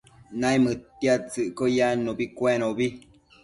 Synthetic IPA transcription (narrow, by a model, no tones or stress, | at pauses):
nãjmɨtjat͡sɨʔkojanõbikwɛnobi